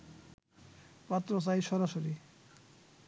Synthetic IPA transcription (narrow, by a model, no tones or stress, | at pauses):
pat̪ɾos̬ajʃɔɾaʃoɾi